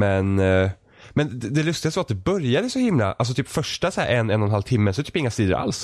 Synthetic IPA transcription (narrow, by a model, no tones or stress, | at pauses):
mɛn | mɛnd̪ɛlɵst̪ɪɡast̪vat̪̚d̪ɛbœɾjad̪əsɔhɪmla̰ʔals̬ɔt̪ʰyːpfœʂʈasæ̰ːɾʔɛnːɛnːɔnɦalt̪ʰɪmːəsɔɛt̪ʰyːpɪŋːast̪iːd̪əɾʔa̰ls